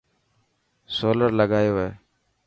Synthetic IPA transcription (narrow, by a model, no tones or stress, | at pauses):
soːləɾləɡaːjoːɦeː